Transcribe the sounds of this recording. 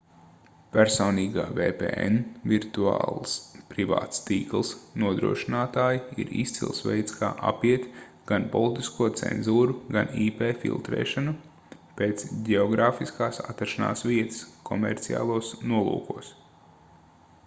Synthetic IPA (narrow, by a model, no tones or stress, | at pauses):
pæɾsɔːniːɡaːvḛːpḛːɛ̰nviɾt̪ua̰ːlˠspɾiva̰ːt̪st̪iːklˠsnuɔd̪ɾṵɔʃinaːt̪aːjiḭɾḭst̪sḭlˠsʋɛ̰jt̪ska̰ːʔapiɛt̪ | ɡ̥anpɔlˠit̪iskuɔt̪sɛ̰nzuːɾuɡaniːpeːfḭlˠt̪ɾɛ̰ːʃanu | peːt̪sɟɛɔɡɾaːfiskaːsa̰t̪ːaɾʃana̰ːsʋiɛt̪ɨ̥skʰɔmɛ̰ɾt̪sia̰ːlˠuɔsnuɔlˠṵːkuɔs